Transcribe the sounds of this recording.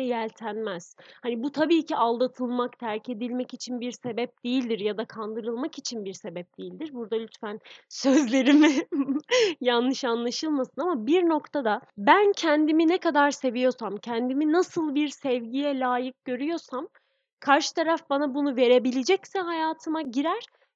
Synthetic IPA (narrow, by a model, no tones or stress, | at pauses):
jælʲt̪ʰænmɛz̥hanibut̪ʰabiːcʰiʔalˠd̪at̪ʰɯlˠmakt̪ʰæɾce̞d̪ilʲmɛcit͡ʃʰinbiɾse̞bɛp̚d̪̥ejilʲd̪iɾjad̪akʰand̪ɯɾɯlˠmakit͡ʃʰinbiɾse̞bɛp̚d̪̥ejilʲd̪iɾbuɾd̪alʲyt̪fænsø̞zlʲe̞ɾimi | janːɯʃanlˠaʃɯlˠmasɯnamabiɾno̞kt̪ʰad̪abæncʰɛnd̪iminɛkad̪aɾse̞vijo̞samcʰɛnd̪iminasɯlˠbiɾsɛvɟijɛlʲaːjɯk̚ɟø̞ɾyjo̞sam | kʰaɾʃɯ̥t̪ʰaɾafbanabunuve̞ɾe̞bilʲed͡ʒɛcsɛɦajaːt̪ʰɯmaɟiɾæɾ̥